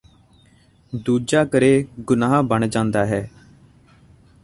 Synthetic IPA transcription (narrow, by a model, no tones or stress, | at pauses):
d̪uːd͡ʒaːkəɾeːɡʊnaːɦbəɳ̃d͡ʒãːnd̪aːɦɛː